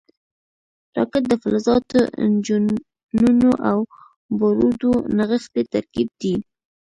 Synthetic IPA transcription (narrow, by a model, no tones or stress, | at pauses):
ɾɑkɪt̪̚d̪əfalazɑt̪oɪnd͡ʒu | nunoʔaw | baɾud̪onaɣəxt̪et̪aɾkib̚d̪i